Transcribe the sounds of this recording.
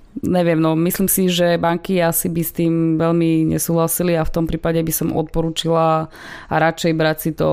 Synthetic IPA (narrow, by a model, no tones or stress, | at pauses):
ɲɛʋɪɛmnɔmisliːmsiʒɛbaŋkiasibist̪iːmʋɛʎmiɲɛ̰suːɦlasiliaft̪ɔmpɾiːpaɟɛbisɔmɔ̰t̪̚pɔɾuːt͡ʃila | ɾat͡ʃɛjbɾacsit̪ɔ̰